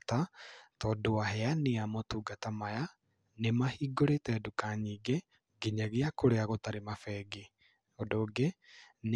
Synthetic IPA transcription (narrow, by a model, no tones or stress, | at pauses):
tatɔːdowahɛaneamɔtuːɡatamaja | nemahiːɡoɾetɛdukaɲiːɡe | ɡeɲaɣeakoɾeaɣotaɾemafɛːɡe | odoːɡen